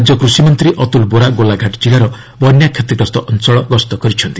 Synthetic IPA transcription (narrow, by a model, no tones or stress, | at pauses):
d͡ʒjɔkɾusimɔnt̪ɾiʔɔt̪ulboɾaɡolaɡʱaʈd͡ʒilaɾɔ | bɔnjakʰet̪iɡɔst̪ɔʔɔnsɔɭɔɡɔst̪ɔkɔɾit͡ʃʰɔnt̪i̥